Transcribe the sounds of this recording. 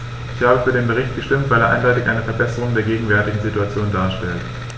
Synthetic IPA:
ʔɪçhaːbəfyːɐɾeːnbəʁ̞ɪçt̚ɡ̥əʃtɪmtv̥aɪleɐʔa̰ɪndɔʏtɪçʔaɪnəfɛɐbɛsəʁ̞ʊŋdeːɐɡeːɡŋ̩vɛɐtɪɡŋ̩zituat͡sjoːndaːɐʃtɛlt

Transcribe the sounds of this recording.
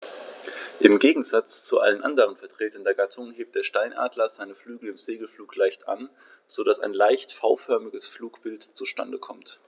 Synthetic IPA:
ʔɪmɡeːɡŋ̩zat͡st͡suʔa̰lənʔa̰ndəʁ̞ənfɛɐtʁ̥eːtəndɛɐɡatʰʊŋəɦeːp̚t̚d̥eːɐʃtaɪnʔa̰ːdlɐz̥aɪnəflyːɡl̩ɪmz̥eːɡl̩fluːklaɪçtʔa̰n | z̥odasa̰ɪnlaɪçtfaʊfœɐmɪɡəsfluːkb̥ɪltt͡suʃta̰ndəkʰɔmt

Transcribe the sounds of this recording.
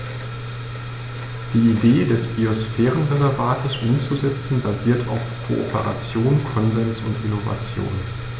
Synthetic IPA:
d̥iːideːdɛsb̥iosfɛːʁənʁezɛɐvaːtʰəsʔʊmt͡suzɛt͡sn̩baziːɐtʰaʊfkʰo̰ʔo̰pə̰ʁa̰t͡sjoːnkʰɔnzɛnsʊntʔɪnova̰t͡sjo̰ːn

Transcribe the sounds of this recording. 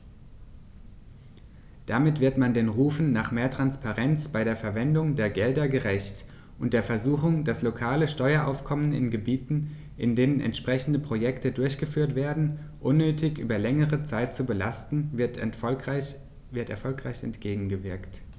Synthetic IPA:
d̥amɪtv̥ɪɐtmandeːnʁuːfn̩naːχmeːɐtʁ̥anspaʁɛnt͡sb̥aɪɾeːɐfɛɐvɛndʊŋdeːɐɡɛldɐɡəʁɛçt | ʔʊnt̚d̥eːɐfɛɐzuːxʊŋdaslokʰaːləʃtɔʏɐʔa̰ʊfkʰɔmənɪ̰nɡəbiːtn̩ | ʔɪndeːnənɛ̰ntʃpʁ̥ɛçn̩dəpʁ̥ojɛktədʊɐçɡ̥əfyːɐtv̥eːɐdn̩ | ʔʊnːøːtʰɪçʔy̰ːbɐlɛŋəʁət͡saɪt̚t͡subəla̰stn̩ | vɪɐtɛɐfɔlkʁ̥aɪçɛ̰ntɡ̥eːɡŋ̩ɡəvɪɐkt

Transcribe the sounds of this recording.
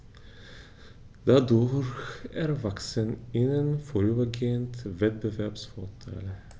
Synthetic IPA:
d̪̥æd̪oːɾæːɾvaksənɪnənfɔɾʉːbəɡeːənt̪vɛt̪̚bɛvæpsfoːʈʰɑ̰ːl

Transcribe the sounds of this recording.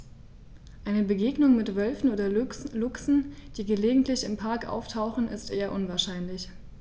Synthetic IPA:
ʔaɪnəbəɡeːɡnʊŋmɪtv̥œlfn̩ʔoːdɐlʊksn̩d̥iːɡəleːɡŋ̩tlɪçɪmpʰaɐkʔa̰ʊftʰaʊxn̩ʔɪ̰stʔeːɐʔʊnvaːɐʃaɪnlɪç

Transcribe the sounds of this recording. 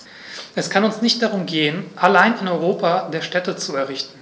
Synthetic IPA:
ʔɛskʰanʊnsnɪçt̚d̥aʁ̞ʊmɡeːənʔalaɪnɪnɔʏʁ̞oːpʰadeːɐʃtɛtət͡suɛɐʁ̞ɪçtn̩

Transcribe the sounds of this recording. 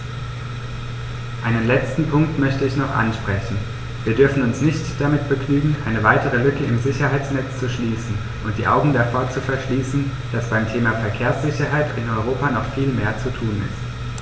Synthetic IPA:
ʔaɪnənlɛt͡stn̩pʰʊŋk̚tmœçtəɪçnɔχʔa̰nʃpʁ̥ɛçn̩ | viːɐdʏɐfn̩ʊnsnɪçtd̥amɪtb̥əɡnyːɡŋ̩ʔaɪnəvaɪtəʁ̞əlʏkəʔɪmzɪçɐɦaɪt͡snɛt͡st͡suʃliːsn̩ | ʔʊnt̚d̥iːʔaʊɡŋ̩dafoːɐt͡sufɛɐʃliːsn̩ | d̥asb̥aɪmtʰeːmafɛɐkʰeːɐsz̥ɪçɐɦaɪtɪnɔʏʁ̞oːpanɔχfiːlmeːɐt͡sutʰuːnɪ̰st

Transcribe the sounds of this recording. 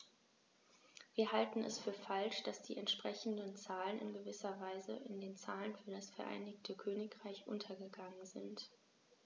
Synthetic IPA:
viːɐɦaltn̩ɛ̰sfyːɐfalʃd̥asd̥ḭːʔɛntʃpʁ̥ɛçn̩dənt͡saːlənɪ̰nɡəvɪsɐvaɪzəʔɪndeːnt͡saːlənfyːɐɾasfɛɐʔa̰ɪnɪçtʰəkʰøːnɪkʁ̥aɪçʔʊ̰ntʰɐɡəɡaŋənzɪ̰nt

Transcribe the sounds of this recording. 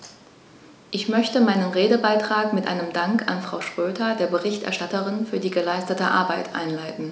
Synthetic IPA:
ʔɪçmœçtəmaɪnənʁeːdəbaɪtʁ̥aːkmɪtʔa̰ɪnəmdaŋkʰa̰nfʁ̥aʊʃʁ̥øːdɐdeːɐbəʁɪçtʔɛ̰ɐʃtatəʁɪnfyːɐdiːɡəlaɪstətəʔa̰ɐbaɪtʔa̰ɪnlaɪtn̩

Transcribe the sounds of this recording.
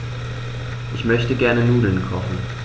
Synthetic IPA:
ʔɪçmœçd̥əɡ̥æɐnənuːlənkʰɔχn̩

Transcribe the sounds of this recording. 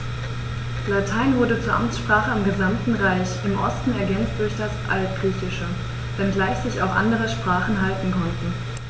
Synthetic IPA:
latʰaɪnvʊɐɾət͡suːɐʔamt͡sʃpʁ̥aːχəɪmɡəzamtn̩ʁaɪçɪmʔɔ̰stn̩ɛɐɡɛnt͡std̥ʊɐçd̥asʔa̰lt̚ɡ̥ʁiːçɪʃə | v̥ɛnɡlaɪçz̥ɪça̰ʊxʔa̰ndəʁ̞əʃpʁ̥aːχn̩ɦaltn̩kʰɔntn̩

